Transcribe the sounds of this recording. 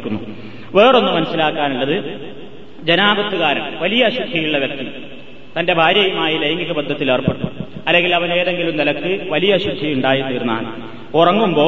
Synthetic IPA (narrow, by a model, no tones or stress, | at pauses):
kʲːunːu | ʋe̞ːro̞nːumɐnɐsːilaːkːaːnuɭːɐðɨ | d͡ʑenaːbɐt̪ːuɣaːɾɐ̰mʋɐlijɐːɕud̪ʱɐjuɭːɐʋjɐk̚t̪i | t̪ɐndebʱaːɾjɐjumaːjilejɐŋɡiɣɐbɐd̪ʱːɐt̪ːileːrpeʈːuɐlːe̞ŋɡilɐʋɐne̞ːðe̞ŋɡilumnilɐkːɨʋɐlijɐːɕud̪ʱɐjuɳɖaːjit̪iːrunːa̰ːɳɨ | urɐŋːumbo̞ː